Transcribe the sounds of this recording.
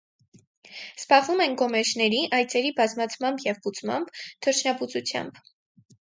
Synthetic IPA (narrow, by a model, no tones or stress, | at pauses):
sbɑʁvumɛnɡɔmɛʃnɛɾiʔɑjt͡sɛɾibɑzmɑt͡sʰmɑmbjɛvput͡smɑ̰mbt̪ʰəɾt͡ʃʰnɑput͡sut͡sʰjɑ̰mb